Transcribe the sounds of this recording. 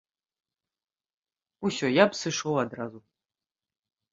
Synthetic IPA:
usʲɔjapsɨʂɔwad̪ɾazu

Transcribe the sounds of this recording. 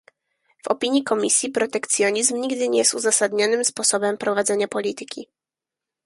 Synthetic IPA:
vɔ̰pʲiɲikɔmʲisʲjipɾɔt̪ɛkt̪sʲjɔɲizmɲiɡd̪ɘɲɛjɛst̪uzasad̪ɲɔnɘmspɔsɔbɛmpɾɔvad̪zɛɲapɔlʲit̪ɘkʲi

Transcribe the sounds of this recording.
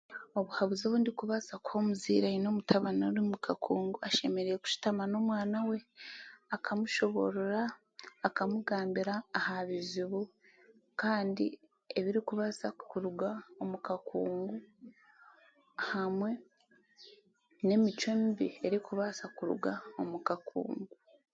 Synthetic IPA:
o̞βuhaβuzoβuːndikuβasakwo̞muzḭɾaino̞mutʰaβanoɾimukʰakʰuːŋɡuaʃe̞me̞ɾejeku̥ʃu̥tamano̞ːmwaːnawe̞akʰamuʃo̞βo̞̰ɾoɾaː | kamuɡaːmbiɾaːhaβiziβu | kaːndḭ | eβiɾikuβasakuɾuɡaomukakuːŋɡu | hamwe̞ | ne̞mit͡ʃomibieɾikuβasakuɾṵɡaomukakṵːŋɡu

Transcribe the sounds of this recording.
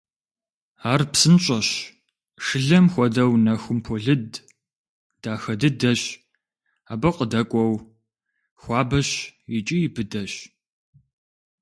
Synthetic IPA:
aːrpsɨnɕʼɐɕ | ʂɨɮɐmxʷɔdɐwnɐxʊmpʰoɮɨd | d̥aːxɐdɨdɐɕ | aːbɐqʼədɐkʷʼɔw | xʷɑːbɐɕit͡ʃʼijɪbɨdɐɕ

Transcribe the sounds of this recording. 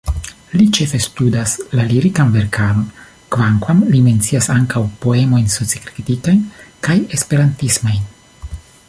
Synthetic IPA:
lit͡ʃe̞fe̞studaslaliɾikanve̞ɾkʰalo̞n | kvaŋkwamlime̞nt͡siasaŋkawpo̞e̞mo̞jnso̞t͡sikɾit̪ikajnkaje̞spe̞ɾantismojn

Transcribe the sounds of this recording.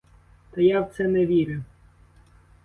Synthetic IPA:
t̪ɐjawt̪sɛnɛʋʲiɾʊ

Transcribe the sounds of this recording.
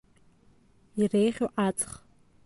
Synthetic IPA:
irejχʲoʔat͡sʼχ

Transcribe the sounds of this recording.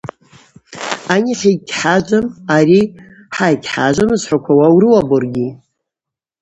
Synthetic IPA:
aɲʲiχʲikʲħad͡ʒʷʼamaɾi | ħajɡʲʰħa̰ʒʷamɨzħʷakʷʰawawrɨwaborɡʲi

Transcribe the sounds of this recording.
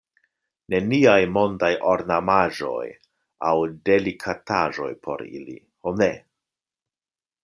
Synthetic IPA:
ne̞niajmo̞ndajʔo̞ɾnamaʒo̞̰j | awde̞likʰataʒo̞̰jpʰo̞̰ɾḭlḭ | hone̞

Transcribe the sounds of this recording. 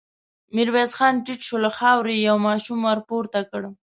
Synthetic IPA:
mɪɾwezxɑnʈiʈʃolaxɑwɾejawmɑʃumwaɾpoɾt̪akəɽ

